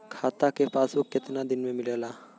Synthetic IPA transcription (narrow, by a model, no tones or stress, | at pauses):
kʰat̪akepasukːet̪inad̪inmemilela